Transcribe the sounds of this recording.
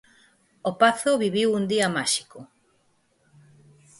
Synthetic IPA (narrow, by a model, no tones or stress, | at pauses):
opaθʊβiβiwund̪iɐmaʃi̥kʊ